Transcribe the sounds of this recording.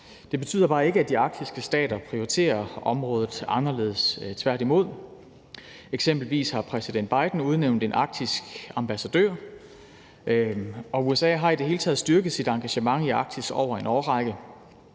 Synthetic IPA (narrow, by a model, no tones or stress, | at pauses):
d̥e̝b̥e̝t͡sʰy̰ːð̰ˠɐb̥ɑ̈ːe̝ɡ̥əæd̥iɑ̈ɡ̥̚d̥isɡ̥əsd̥ɛ̰ːd̥ɐpʰʁioʁit͡sʰe̝̰ːɐʔɒ̽mʁɔ̽ːð̞ˠð̩ˠɑ̈nɐle̝ð̞ˠəst͡sʰʋæɐ̰ɾ̥imo̝ð̞̰ˠ | eɡ̥sem̰b̥l̩ʋḭːshɑ̈pʰʁɛsid̥end̥̚b̥ɑ̈ɪd̥n̩uð̞ˠneʊnd̥e̝nʔɑ̈ɡ̥̚d̥isɡ̥ɑ̈mb̥æsæd̥ø̰ɐ̰ | ɒ̽uesɛ̰ːɦɑ̈id̥e̝ɦe̝ːlət͡sʰɛ̰ð̞̩ˠsd̥yɐɡ̥ð̞̩ˠsid̥ɑ̈ŋɡ̥æɕəmɑ̈ŋiɑ̈ɡ̥̚d̥isɡ̥ɒ̰ʊɐe̝nɒːʁɑ̈ɪɡ̥ə